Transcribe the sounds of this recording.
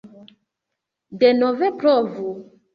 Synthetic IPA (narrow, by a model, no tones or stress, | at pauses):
denɔvɛpɾɔvu